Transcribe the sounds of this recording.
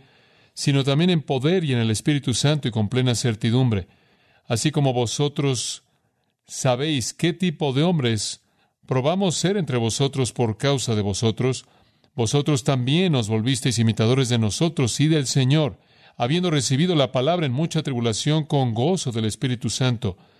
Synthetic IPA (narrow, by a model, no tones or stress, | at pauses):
sino̞t̪̬ambje̞ne̞mpo̞ðe̞ɾie̞ne̞le̞spiɾit̪usant̪oiko̞mple̞nase̞ɾt̪iðumbɾe̞ | asiko̞mo̞βo̞so̞t̪ɾo̞s | aβejske̞t̪ipo̞ðe̞o̞mbɾe̞s | pɾo̞βamo̞se̞ɾe̞nt̪ɾe̞β̞o̞so̞t̪ɾo̞spo̞ɾkawsaðe̞βo̞so̞t̪ɾo̞s | bo̞so̞t̪ɾo̞st̪ambje̞nːo̞zβo̞lβis̬t̪e̞js̬imit̪að̞o̞ɾezðe̞no̞so̞t̪ɾo̞siðe̞lse̞ɲo̞ɾ | aβje̞nd̪o̞re̞siβ̞iðo̞lapalaβɾaenmut͡ʃat̪ɾiβulasjo̞ŋko̞ŋɡo̞so̞ðe̞le̞spiɾit̪usant̪o̞